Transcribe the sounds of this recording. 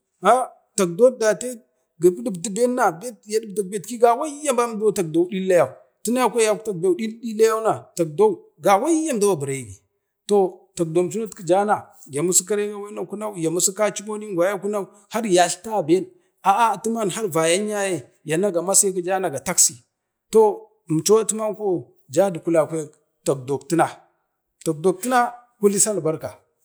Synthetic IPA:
a˦ | ta˨k̚do˦da˨te˦ | ɡi˨bdi˦bdi˦be˦nːa˨be˦tja˨di˦b̚da˨k̚be˦tki˦ɡa˨wa˦ja˦mba˦m˦do˦ta˨k̚do˨˦ɗi˦lːa˦ja˨u˨ | ti˦na˦ja˦kʷa˦ja˨kta˨k̚ba˨ɗi˦ldi˦la˦ja˦u˦na˨ta˨k̚do˦u˨ | ɡa˨wa˦ja˦m˨da˦wa˨bu˨ɾa˨i˨ɡi˨ | to˨ta˨k̚do˨mt͡ʃu˦nu˦tki˨d͡ʒa˦na˨ | ja˨mu˦si˦k̬a˦ɾi˦ɡa˦wa˦na˦ku˦na˦u˨ja˨mu˦si˦ka˦t͡ʃi˦ko˦ni˦ŋɡʷa˨ja˦ku˦na˦u˨ | ha˦ɾja˨ɬta˦˨be˦l | a˨ʔa˦˨tu˦ma˦n˨a˦ɾva˨ja˦ɲ˦a˦je˨ | ja˨na˦ɡa˨ma˦si˦ki˦d͡ʒa˦na˨ɡa˨ta˦ksi˨ | to˦˨ | m˨t͡ʃo˦a˦tu˦ma˦nko˦ | d͡ʒa˦di˨ku˦la˨kʷe˦˨ | ta˨k̚do˨kti˦na˨ | to˨k̚do˨k̚ti˦na˦ | ku˦li˦sa˦n˨ba˦ɾka˨

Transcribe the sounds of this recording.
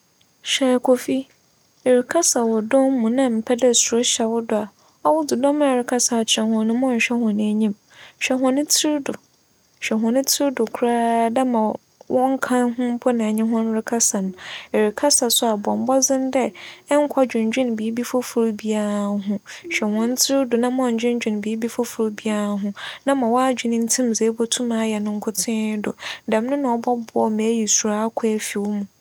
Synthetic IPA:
ɕɛ˨kʰɔ˨fi˦˨ | ɾɪ˨kʰa˦sa˨wɔ˨dɔ̃˦m˦mũ˨nã˦m̩˨pʰɛ˦dɛ˦sʊ˨ɾɔ˦ɕɛ˨wʊ˦dʊ˨a˨ | ɔ˦wʊ˦d͡zʊ˨dɔ̃˦m˦˨ɾɪ˨kʰa˦sa˨t͡ɕʰɛ̃˨hʊ̃˨nʊ̃˦mɔ̃˦ɲ̩˨ɕᶣɛ˦hʊ̃˨nɪ̃˦ɲĩ˦m | ɕᶣɛ˨ɦʊ̃˨nʊ̃˦tʰɪ˦ɾdʊ˨ | ɕᶣɛ˨ɦʊ̃˨nʊ̃˦tʰɪ˦ɾdʊ˨kʰu˨ɾaː˦dɛ˦mã˨ | wʔɔ̃˦ŋ˦kʰã˦nɦʊ̃˦m˦pʰʊ˦nã˨ɲɪ̃˦ɦʊ̃˦n˦ɾɪ˦kʰa˦sa˨nʊ̃˨ɛ˨ɾɪ˨kʰa˦sa˨sʊ˦a˨bɔ̃˨m˨˦bɔ˦zɪ̃˦n˦dɛ˦ŋ̩˦kʷʰa˦d͡ʑᶣʊ̃˨ɲ˨d͡ʑᶣɪ̃˦n˨biː˨˦bi˦fo˦fʊ˨ɾbi˦a˨ɾa˨ɦʊ̃˦ɕᶣɛ˨hʊ̃˨n̩˦tʰɪ˦dʊ˨nã˦m˦ɔ˨ɲ̩˨d͡ʑᶣɪ̃˦ɲ˦d͡ʑᶣɪ̃˨n˨bi˨˦bi˦fɔ˦fʊ˨ɾbi˦a˨ɾa˨ɦʊ̃˦nã˦mã˨wɔ˦a˦d͡ʑᶣi˨nɪ̃˦n̩˦tʰĩ˦m˨ze˨˦bɔ˦tʰũ˦mãː˨˦jɛ˨nʊ̃˦ŋ̩˦kʰʊ˦tʰɪ̃˦dʊ˨dɛ˨m˦nʊ̃˦nã˨ɔ˨bɔ˦bʊ˨˦ɔ˦mɛ˨˦ji˨su˨ɾa˦kʰʊ˦æ˨fi˨wʊ˦mũ˨

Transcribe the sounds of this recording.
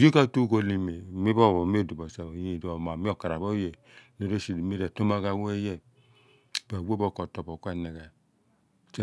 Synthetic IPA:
d͡ʒe˦ka˦tu˦ɡo˧li˧me˨mi˦bɔ˦˨wɔ˨m˦e˦˨du˨bɔ˨sa˨je˨do˨ma˨mi˦ɔ˦˨ka˨ɾa˨bɔ˦jɛ˨ | ne˨˦ɾo˦ʃi˨mi˦ɾɛ˨to˦ma˧ɡa˧˨wo˦ɛ˦jɛ˦˨ | ba˨wo˦bɔ˦˨kɔ˨tɔ˨bɔ˨kʷa˦˨nɛ˨ɡa˨ | t͡ʃ

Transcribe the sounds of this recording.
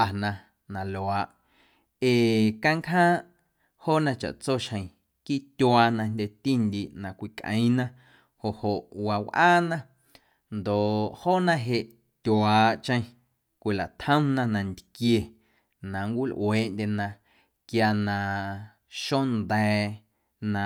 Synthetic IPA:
a˨nã˧ | nã˨lo˨a˨ʔ | eː˨kã˦ŋkɦãː˦ʔ | hoː˦˨nã˧t͡ʃa̰˨ʔt͡so˦ʃhə̃˨j̃ | kiː˦t̪ʲwa˧nã˧nd̪ʲe˧t̪i˦nd̪i˨ʔnã˨kʷi˧kʔə̰̃˨j̃nã˧ | ho˨ʔho˨ʔwa˨wʔaː˦nã˦˧ | nd̪o˨ʔhoː˦˨nã˧ɦe˧ʔ | t̪ʲwaː˨ʔt͡ʃə̃˧˦ | kʷi˨la˨ʔt̪ʰhə̃˦nã˧nã˧nd̪kje˧ | nã˨ŋkʷi˦lʔw̰eː˨ʔndʲe˧nã˧ | kja˧nã˧ | ʃo˦nd̪ɛː˧ | nã˧

